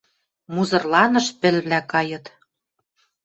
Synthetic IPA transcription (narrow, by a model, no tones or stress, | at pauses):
muzɤ̆rlɑnɤ̆ʃpɘ̆lβlækɑjɤ̆t̪